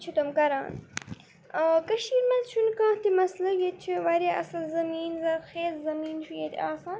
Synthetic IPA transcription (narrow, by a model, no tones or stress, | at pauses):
t͡ʃʰit̪omkɐɾa̰ːn | əkɐʃiːɾmɐnzʃunkãːt̪imɐslɐjet͡ʃʰiʋɐɾjaʔɐ̰sɐlzɐmiːnzɐɾxeːzzɐmiːnʃujet̪aːsaːn